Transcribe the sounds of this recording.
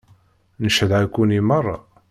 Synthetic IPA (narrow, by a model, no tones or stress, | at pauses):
nəʃəðʕækʷːunimərˤːɑ̰